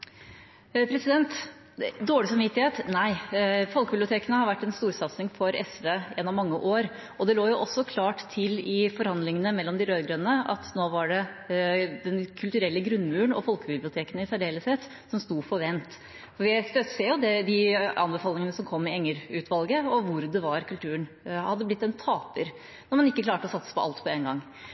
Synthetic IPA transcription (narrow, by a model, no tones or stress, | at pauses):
pʰɾɛsɪd̪ɛnt̪ | d̪oːɽɪsɔmʋɪt̪ːɪheːt̪næɪfɔlkəbɪblɪʊt̪ʰeːkənəhɑɾʋæʈːɛnst̪uːɾsɑt̪snɪŋfɔɾɛsʋeːḛːnɔmːɑŋːəʔoːɾ | ɔd̪ɛloːjʊʔɔsːɔkʰlɑːʈt̪ʰːɪlɪfɔɾhɑnd̪lɪŋənəmɛlːɔmd̪ɪɾøːd̪ɡɾønənəɑ̰t̪noːʋɑɖɛ | d̪ɛnkʰʉlt̪ʉɾɛlːəɡɾʉnmʉːəɳɔ̰fɔlkəbɪblɪʊt̪ʰeːkənɪsæɖeːləset̪ː | sɔmst̪uːfɔʋɛnt̪ | fɔɾʋɪst̪œseːjʊd̪ɛd̪ɪɑ̰nbəfɑːlɪŋənəsɔmkʰɔmːɪɛŋːəɾʉːt̪ʰʋɑlɡəɔʋʊɾd̪ɛʋɑɾkʉlt̪ʰʉːən | hɑd̪ːəblɪt̪ːɛnt̪ʰɑːpəɾ | nɔɾmɑnɪkːəklɑːʈəɔsɑt̪sə̥pʰɔɑ̰lt̪pʰɔɛːnɡɑŋː